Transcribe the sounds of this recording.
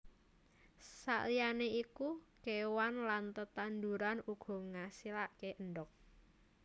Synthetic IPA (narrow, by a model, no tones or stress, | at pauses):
sa̰ʔlijaneikukewanlant̪ət̪and̪uɾanuɡ̥ɔ̤ŋasilaʔkeʔənɖɔk̚